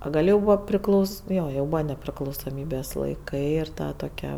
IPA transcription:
oː ˈɡɐlʲ jɛʊ ˈbuːʋɐ pʲrʲɪˈklˠɐʊ ˈnoː jɛʊ ˈbuːʋɐ nʲɛpʲrʲɪklˠɐʊsoːˈmʲiːbʲeːs lˠɐɪˈkɐɪ ɪr ˈtɐ toːˈkʲɛ

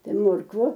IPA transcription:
ˈtɐɪ ˈmoːrkʋʊ

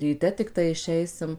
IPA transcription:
rʲiːˈtʲɛ tʲɪkˈtɐɪ ɪʃʲˈɛɪsʲɪm

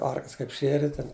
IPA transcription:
ˈɐrklʲɪs ˈkɐɪp ˈʃʲiɛrʲɪ ˈtʲɛn

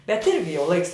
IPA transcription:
bʲɛt ˈɪrʲɡʲɪ jɛʊ ˈlˠɐɪks

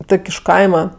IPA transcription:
ˈtoːkʲ ɪʃ ˈkɐɪmɐ

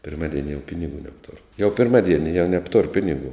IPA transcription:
pʲɪrˈmɑːdʲiɛnʲɪ jɛʊ ˈpʲɪnʲɪɡuː nʲɛpˈtʊr jɛʊ pʲɪrˈmɑːˌdʲiɛnʲɪ jɛʊ ˈnʲæːptʊr ˈpʲɪnʲɪɡuː

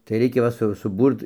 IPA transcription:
tɐɪ ˈrʲɛɪkʲɛ ˈʋɐ sʊ sʊˈbuːrt

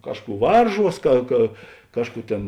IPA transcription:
ˈkɑːʃˌkuː ˈʋɐrˌʒuɔs kɐ kɐ ˈkɑːʃˌkuː ˈtʲeːn

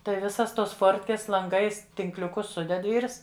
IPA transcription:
ˈtɐɪ ˈʋʲɪsɐs toːs ˈfoːrʲtʲkʲeːs lˠɐŋˈɡɐɪs tʲɪŋklʲʊˈkʊs ˈsʊdʲɛt ˈʋʲiːrs

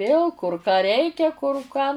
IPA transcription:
ˈʋʲeːlˠ kʊr kɑː ˈrʲɛɪkʲɛ kʊr kɑː

